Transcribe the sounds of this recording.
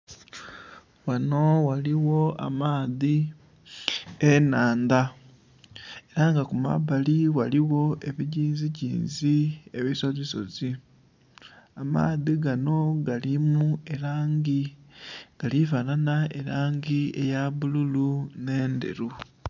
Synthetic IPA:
wano̞waliwo̞a̰maːði | enaːnd̪a | e̞ɾaŋɡakuma̰βaliwaliwo̞ʔe̞βiɟiːnziɟḭːnzieβiso̞zeso̞̰zi | ama̰ːðiɡano̞ɡalimue̞ɾaːŋɡi | ɡ̥alifananae̞̰ɾaːŋɡiḛjaβululune̞ːndḛɾu

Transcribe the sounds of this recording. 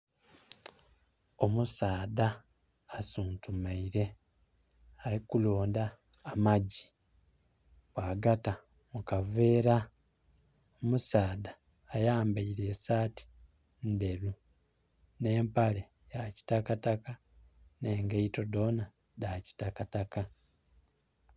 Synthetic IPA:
o̞musaːdaː | suːntumaiɾe̞ | aɾikuloːndaː | maɟi | βwaːɡata | mukave̞ːɾa | omusaːdaː | jaːmbaiɾe̞ːsaːti̥ | nde̞ɾu | ne̞ːmpale | jaci̥takataka | neːŋɡeito̞do̞na | daci̥takataka

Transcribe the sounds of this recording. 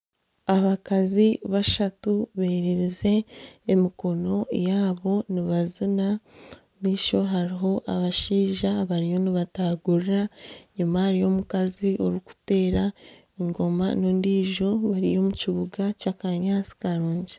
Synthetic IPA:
aβakaziβaʃatuβeɾiɾize̞ːmiko̞no̞jaːβo̞niβazina | miːʃo̞ɦaɾiɦo̞ʔaβaʃiːʒaβaɾijo̞niβataːɡuɾiɾaɲumahaɾijo̞mukaziʔoɾuku̥te̞ːɾa | eŋɡo̞ma̰nondiːʒo̞βaɾijo̞muciβuɡacaːkaɲaːt͡si̥kaɾuːɲɟe

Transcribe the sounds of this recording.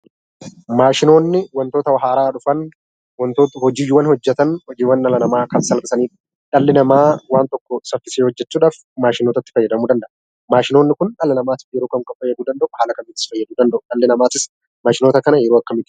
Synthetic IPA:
maːʃɪno̞ːnːɪwɐnt̪oːt̪ɐwɐɦaːɾaːᶑʊfɐn | wɐnt̪oːt̪hɔd͡ʒiːjwːɐnhɔd͡ʒːɛt̪ɐnhɔd͡ʒiːwɐnᶑɐlɐnɐmaːkɐnsɐlbɪsɐniːᶑ̥ | ᶑɐlːɪnɐmaːwaːnt̪ɔkːɔsɐfːɪseːhɔd͡ʒːɛt͡ʃːuːᶑaːf | maːʃɪnoːt̪ɐt̪ːɪ̥fɐjːɐd̪ɐmuːd̪ɐnd̪ɐʔɐ | maːʃɪnoːnːɪkʊnᶑɐlɐnɐmaːt̪ɪ̥fjɛɾoːkɐmkʼɐfɐjːɛd̪uːd̪ɐnd̪ɐʔʊhaːlɐkɐnɪːt̪ːɪsfɐjːɐd̪uːd̪ɐnd̪ɐʔʊᶑɐlːɪnɐmaːt̪ɪs | maːʃɪnoːt̪ɐkɐnɐjɛɾoːɐkːɐmɪt̪ːɪ

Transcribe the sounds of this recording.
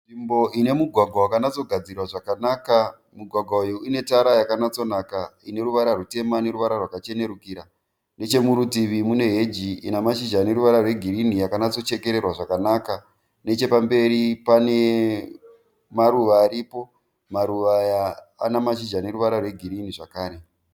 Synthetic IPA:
imbo̞ʔine̞muɡʱwaɡʱwawakanat͡so̞ɡʱad͡zirwaʐakanaːka | muɡʱwaɡʱwaujuine̞taɾajakanat͡so̞nakaine̞ɾuʋaɾarute̞mane̞ɾuʋaɾarwakat͡ʃene̞ɾukiɾa | ne̞t͡ʃe̞muɾutiʋimune̞ɦe̞d͡ʒiḭnamaʃiʒane̞ɾuʋaɾarweɡʱiɾinijakanat͡so̞t͡ʃe̞ke̞ɾe̞rwaʐakanaka | ne̞t͡ʃe̞pambe̞ɾipane̞ | maɾuʋaːɾipo̞ | maɾuʋaja̰ː | namaʃid͡ʒane̞ruʋaɾarwe̞ɡʱiɾiniʐakaːɾe̞

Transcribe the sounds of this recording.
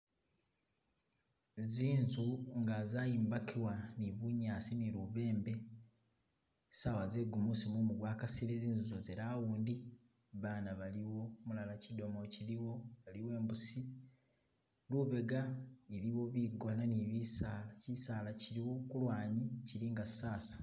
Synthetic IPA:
ziːnzuŋɡazajiːmbakʰiwaniβuɲaːsiniɾuβe̞ːmbe̞ | sawazeɡumusimumuɡwaːkasiɾeziːnzuzozeɾawuːndi | βaːnaβaliwo̞mulalacido̞mo̞ciliwoβaliwe̞ːmbusi | luβe̞ɡaeliwo̞βiɡonaniβisalacisaːlaciɾiwo̞kulwaːɲiciɾiŋɡasaːsḁ

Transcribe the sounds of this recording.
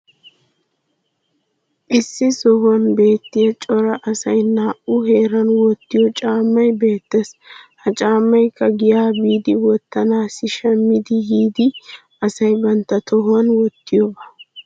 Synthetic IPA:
ʔɪsːɪsɔhʊɐnbe̞ːt̪ːɪjɐt͡ʃʼɔɾɐʔɐsɐjnaːʔʊɦe̞ːɾɐnwɔt̪ːɪjɔt͡ʃʼaːmːɐjbe̞ːt̪ːeːshɐt͡ʃʼaːmːɐjkʰːɐɡɪjaːbiːd̪ɪwɔt̪ːɐnaːsɪʃɐmːɪd̪ɪhiːd̪ɪ | ɐsɐjbɐnt̪ːɐt̪ʰɔhʊɐnwɔt̪ːɪjɔbɐ̥

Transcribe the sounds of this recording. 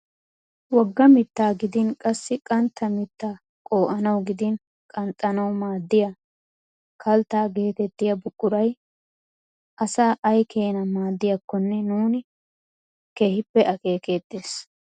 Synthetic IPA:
wɔɡːɐmɪt̪ːaːɡɪd̪ɪnkʼɐsːɪkʼɐnt̪ːɐmɪt̪ːaː | kʼo̞ːʔɐnɐwɡɪd̪ɪn | kʼɐnt̪ʼːɐnɐwmaːd̪ːɪjɐ | kʰɐlt̪aːɡe̞ːt̪ɛt̪ːɪjɐbʊkʼːʊɾɐj | ʔɐsaːʔɐjkʰe̞ːnɐmaːd̪ːɪjɐkːɔnːɛnuːnɪ | keːhɪpːɛʔɐke̞ːke̞ːt̪ʼːeːs

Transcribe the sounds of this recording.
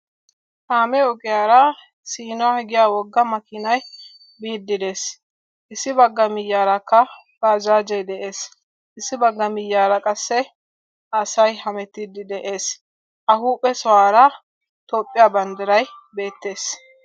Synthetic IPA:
haːmɛɔkʼɪjaːɾɐ | siːnɔahɪɡɪjaːwɔɡːɐmɐkɪnɐj | biːd̪ːɪd̪e̞ːs | ʔɪsːɪbɐɡːɐmɪjːaːɾɐkːɐ | ɡaːd͡ʒaːd͡ʒɛjd̪ɛʔe̞ːs | ʔɪsːɪbɐɡːɐmɪjːaːɾɐkʼɐsːɛ | ɐsɐjhɐmɛt̪ːid̪ɪd̪ɛʔe̞ːs | ʔɐhuːpʼːɛsɔwaːɾɐ | t̪oːpʼːɪjaːbɐnd̪ɐɾɐjbe̞ːt̪ːe̞ːs

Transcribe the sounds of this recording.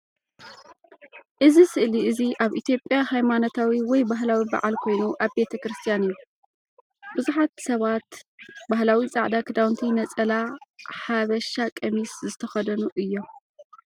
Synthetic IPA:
ʔɨzisɨʔliʔɨziʔaβʔit̪ʰjo̞pʼːjahajmanot̪ʰawiwɔjbaɦlawiba̰ʕalkʰo̞jnuʔaβbe̞t̪ʰɐkɾɨst̪ʰijanɨjːu | bɨzuħat̪̚sɐβat̪baɦlawit͡sʼa̰ʕd̪akʰɨd̪awnt̪ʰinɐt͡sʼɐlaħaβɐʃakʼɐmiszɨt̪ʰɐxɐd̪ɐnuʔɨjːo̞

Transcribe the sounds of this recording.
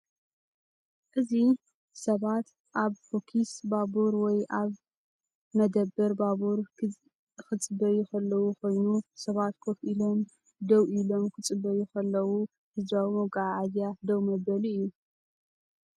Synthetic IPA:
ʔɨzi | sɐβat̪ | ʔaβfokʰisbabuɾwɔjʔaβ | mɐd̪ɐbːɨɾbabuɾ | kɨt͡sʼɨbɐjukʰɐlːɐwukʰo̞jnusɐβat̪kʰofʔilo̞m | d̪ɐwʔilo̞mkʰɨt͡sʼɨbːɐjukʰɐlːɐwu | hɨzɾawimoɡaʕʕad̪jad̪ɐwmɐbɐlɨjːu

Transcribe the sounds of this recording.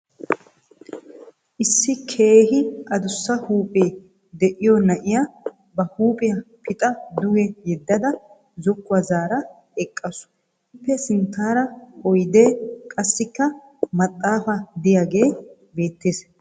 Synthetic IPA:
ʔɪsːɪkʰe̞ːhɪʔɐd̪ʊsːɐhuːpʼe̞ː | d̪ɛʔɪjɔnɐʔɪja | bɐhuːpʼɪjɐpɪt̪ʼɐd̪ʊɡɛjɛd̪ːɐd̪ɐ | zɔkːʊwɐzaːɾɐ | ɛkʼːɐsʊ̥ | ɪpːɛsɪnt̪ːaːɾɐhɔjd̪eːkʼɐsːɪkːɐ | mɐt̪ʼːaːfɐd̪ɪjaɡe̞ː | be̞ːt̪ːeːs

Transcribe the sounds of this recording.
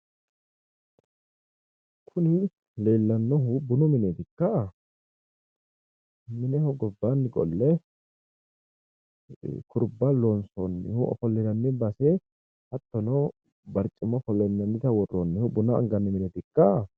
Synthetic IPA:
kʰʊnɪ | le̞ːlːɐnːɔɦʊbʊnɔmɪneːt̪ɪkːɐ | mɪnɛhɔɡɔbːanːɪɡɔ̰lːɛ | kʰʊɾbːɐlɔnsonːɪ̰hʊʔɔ̰fɔlːɛnɐnːɛbɐsɛ | hɐt̪ːɔnɔ | bɐɾt͡ʃʼːɪmɔfɔlːɛnːɐnːɪt̪ɐwɔrːonːɛhʊbʊnɐɐ̰ŋɡɐnːɪmɪnɛt̪ɪkːɐ

